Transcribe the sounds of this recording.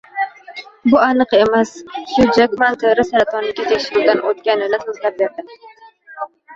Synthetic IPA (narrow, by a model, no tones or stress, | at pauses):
bʊanɨqemassʊd͡ʒakʲmant̪ʰɪɾɪsaɾat̪ʰɔnɪkʲat̪ʰekʲʃɪɾɪd̪anʔot̪̚kʲanɪnɪsozt̪ab̚jat̪ɪd̪